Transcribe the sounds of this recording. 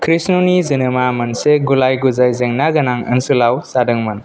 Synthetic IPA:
kʰɾisnonizinɯmamɐnseɡulajɡuzajzeŋnaɡɐnaŋə̰nsɯlawsadɯŋmɐn

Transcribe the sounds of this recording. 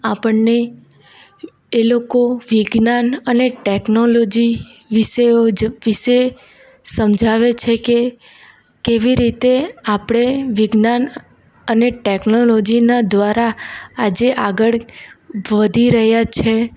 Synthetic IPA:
apəɳne | lokoʋiɡnanəneʈeknolod͡ʒi | ʋiʃeod͡ʒʋiʃe | səmd͡ʒʱaʋet͡ʃʰeke | keʋiɾit̪eapɽ̃eʋɪɡnan | əneʈeknolod͡ʒinad̪ʋaɾaad͡ʒeʔaɡəɭ | ʋəd̪ʱiɾəɦjat͡ʃʰe

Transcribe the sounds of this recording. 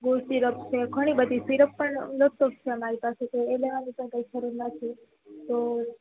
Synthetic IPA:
ɡoʈiɾəpt͡ʃʰekʰəɽ̃iːbət̪isʋiɾəpːəɳləsokt͡ʃʰemaɦit̪aset̪eeleʋaniːpəɳkaikʰəɾunnat̪ʰi | t̪o

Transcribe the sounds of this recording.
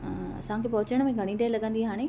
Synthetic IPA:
ɐ̰sãkepɐɦʊt͡ɕəɽ̃mẽɡʱɐɽ̃iʈaːlɐɠə̃nd̪iɦaːɽ̃e

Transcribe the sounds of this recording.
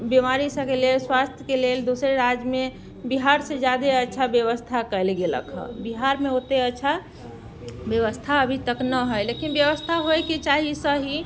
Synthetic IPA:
bimaɾisəkelelswast̪ʰjəkeleld̪osɾeɾad͡ʒme | biɦaɾsed͡ʒjad̪eətːʃʰabjəʋəst̪ʰakəjlɡelə̰kɦə̰̃biɦaɾmeot̪eətːʃʰa | bjəʋəst̪ʰaəbʱit̪əknəɦəjlekinbjəʋəst̪ʰaɦojket͡ʃaɦisəɦi

